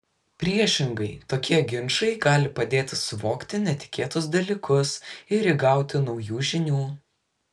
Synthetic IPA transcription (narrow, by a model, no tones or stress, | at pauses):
pʲɾʲiɛʃʲɪŋɡɐɪt̪oːkʲiɛɡʲɪnʃɐɪɡɑːlʲɪpɐd̪ʲeːt̪ʲɪsʊʋoːkt̪ʲɪnʲɛt̪ʲɪ̥kʲeːt̪ʊs̬d̪ɐlʲiːkʊsɪɾiɡɑˑʊt̪ʲɪnɒʊjuːʒʲɪnʲuː